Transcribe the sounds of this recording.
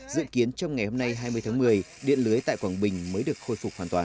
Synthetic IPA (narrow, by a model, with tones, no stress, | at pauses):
zɨ̰˧əki˨˦ənt͡ɕɔ˧wŋ͡mŋa˨˩jho˧mna˧jɦaː˧jmɨ˧əjt̪ʰaː˨˦mɨ˨˩əj | ɗḭ˧˨ənlɨ˨˦əjt̪a̰ː˧˨jkwaː˧˩nɓï˨˩ŋ̟məː˨˦jɗɨ˨˩ək̚xo˧jfʊ˨˩k͡p̚haː˨˩nt̪waː˨˩n